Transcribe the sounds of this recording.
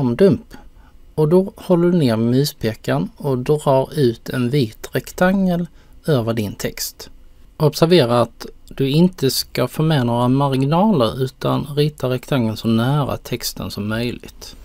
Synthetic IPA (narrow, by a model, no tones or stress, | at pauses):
md̪ɵmp | ɔd̪ɔhɔlːəɖɵneːɾmɛmyːspʰeːkanɔd̪ɾɑːɾʉ̟ːt̪ʰɛnviːt̪ɾɛkt̪ʰaŋːəl | øːvəɖɪnt̪ʰɛkst̪ʔɔbsæɾveːɾaat̪d̪̥ɵɪnt̪əskafoːmɛːnoːɾamaɾɡɪnɑːlə̰ɾʉ̟ːt̪ʰa̰nɾɪːt̪aɾɛkt̪ʰaŋːənsɔnæːɾa̰t̪ʰɛkst̪ə̰nsɔmːœjlɪ̰t̪